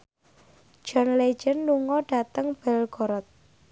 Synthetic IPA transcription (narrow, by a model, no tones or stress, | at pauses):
d͡ʒ̥ɔ̤nle̥d͡ʒənːuŋɔɖ̥a̤t̪əŋb̥ɛlɡ̥ɔɾɔt̪̚